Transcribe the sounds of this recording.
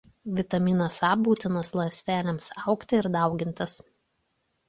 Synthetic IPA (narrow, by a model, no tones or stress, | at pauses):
ʋʲɪt̪ɐmʲiːnɐsɑːbuːt̪ʲɪnɐslˠɐsʲt̪ʲæːlʲɛmsɑˑʊkt̪ʲɪɪɾd̪ɑˑʊɡʲɪnt̪ɐs